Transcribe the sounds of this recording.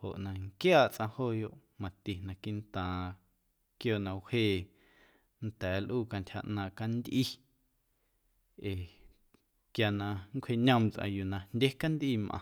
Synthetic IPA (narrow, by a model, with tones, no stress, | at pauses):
ho˨ʔnã˨ŋkjaː˦˨ʔt͡sʔã˧hoː˦˨jo˧˨ʔmã˨t̪i˨nã˧˨ki˦nt̪ãː˨ | kjoː˧˨nã˧wheː˦˨ | nt̪ɛː˨˦lʔuː˦˨ka˧ntʲha˧ʔnãː˧ʔka˧nd̪ʲʔi˦ | e˨ | kja˧˨nã˧ŋkʷʰhe˧ɲə̃˧mt͡sʔã̰˧ju˨nã˧ndʲe˦ka˦nd̪ʔiː˦˨mʔã̰˨